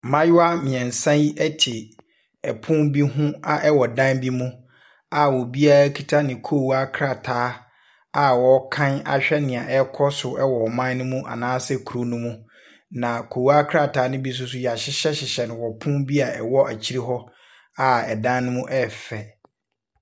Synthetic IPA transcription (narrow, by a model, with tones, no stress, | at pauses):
mã˦jʊ˦a˦mɪ̃˨ɛ̃˨n̩˨sã˦i˦ɛ˦tʰɪ˨ | ɛ˨pʰʊ̃˦mbi˦ɦʊ̃˦a˨ʔɛ˦wɔ˨dã˦nbi˦mũ˦ | a˨wɔ˨bi˦a˦ɾa˦kʰi˨tʰa˦nɪ̃˨kʰoː˦˨wa˦kʰɾa˨tʰaː˨˦ | a˨wɔ˨˦kʰã˦na̰˨ɕᶣɛ˦nɪ̃˨a˨ʔɛ˦kʰɔ˦sʊ˨ɛ˦wɔ˨mã˦nʊ̃˦mũ˦ʔa̰˨nãː˦sɛ˦kʰu˨ɾo˦nũ˦mũ˦ | nã˨kʰo˨wa˦kʰɾa˦˨tʰaː˨˦nʊ̃˦bi˦s̬ʊ˦s̬ʊ˦jɛ˨a˨ɕɪ˦ɕɛ˦ɕɪ˨ɕɛ˨nɪ̃˨wɔ˨pʰʊ̃˦bi˦a˨ɛ˨wɔ˦ʔa˨t͡ɕʰi˦ɾi˦ɦɔ˦ | a˦ɛ˨dã˦nnʊ̃˦mũ˦ʔɛ˦fɛ˨